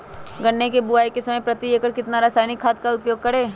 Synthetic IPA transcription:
ɡɐɳːekebʊaːikesɐməjpɾɐt̪ieːkəɾkɪt̪naɾaːsaːjnikʰːaːt̪̚kaʊpjoːɡ̚kɐɾeː

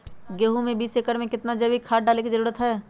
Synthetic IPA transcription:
ɡeːɦũmẽbiːseːkəɾmẽkɪt̪nad͡ʒɐbikʰaːʈ̚ɖaːlekid͡ʒəɾuːɾət̪ɦɛː

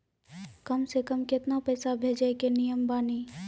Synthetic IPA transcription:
kɐmsekəmkɪt̪napɛːsabʱeːd͡ʒəkenijəmbaːni

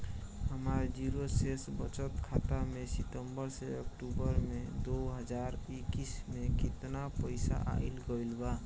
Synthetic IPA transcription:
həmaɾd͡ʒiɾosesbət͡ʃət̪kʰat̪amesit̪əmbəɾseək̚ʈubəɾmed̪oɦəd͡ʒaɾikismekit̪napəɪsa̰ʔa̰ɪlɡəilba

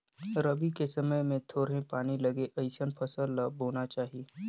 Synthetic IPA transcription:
ɾəbikesɐməjmẽt̪ʰoːɾɦẽpaːñilɐɡeʔɐɪsənpʰəsəlːabʱoːnat͡ʃaːɦieː

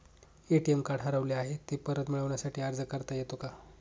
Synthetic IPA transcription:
eʈiemkaɽɦəɾəʋleaɦet̪epəɾət̪miɭəʋɳjasaʈʰiːəɾd͡zəkəɾt̪ajet̪oka

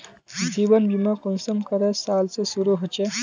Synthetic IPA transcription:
zibɐnbimakunsɐmkɐɾesaːlsesuɾuɦɐt͡ʃe

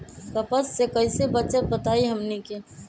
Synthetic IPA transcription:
kəpəsːekɐɪsebɐt͡ʃət̪̚bɐt̪aːiɦɐmneke

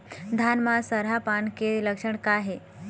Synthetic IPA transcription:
d̪ʱanmasəɾɦapaɳkeləkʂəɳkaɦe

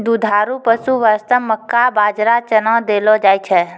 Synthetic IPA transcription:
d̪ud̪ʱaːɾupəsuʋəɾst̪əmːəkːabaːd͡ʒɾat͡ʃənãd̪eːlod͡ʒaːit͡ʃʰɛ

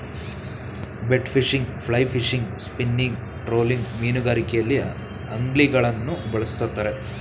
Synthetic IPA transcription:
beʈfʰiʂiŋɡpʰɭɐjpʰiʂiŋɡspinːiŋɡ | ʈɾo̞ːliŋɡmiːnuɡaːɾikɛjɐlːi | ɐŋɡliɡɐɭɐnːubɐɭɐst̪ɐt̪ːɐɾe

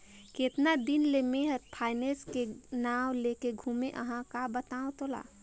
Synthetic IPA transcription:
ket̪nad̪inlemeɦəɾpʰaɪneskenawlekeɡʱumeʔəɦãkabət̪aːõt̪ola̰

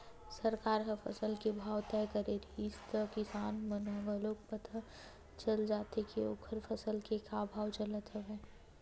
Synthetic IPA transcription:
səɾkaːɾɦɐfʰə̰səlkebʱaːwt̪ɛkəɾeɾist̪əkɪsaːnmənoʋəloːk̚pət̪ə | t͡ʃəld͡ʒaːt̪ekeo̰ːkʰəɾfʰəsəlkekabʱaːwt͡ʃələt̪ɦəʋɛː

